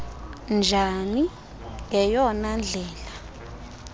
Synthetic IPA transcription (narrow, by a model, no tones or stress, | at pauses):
nd͡ʒʱani | ɛjɔnand͡ɮʱɛːla